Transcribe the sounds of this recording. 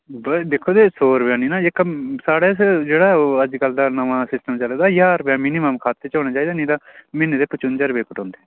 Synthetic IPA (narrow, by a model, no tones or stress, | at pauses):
bəd̪eːkʰoːd̪eːsoːɾbaːniːnãːɪksaːɽeːsd͡ʒeːɽaːəd͡ʒkəld̪aːnəʋãːsɪsʈəmt͡ʃəleːd̪aːjaːɾbãːmiːniməmkʰaːt̪ːeːt͡ʃaːnaːt͡ʃaːiːd̪aːnĩːd̪aːmɪneːd̪eːpʊt͡ʃʊnd͡ʒəɾbeːkəʈõːnd̪eː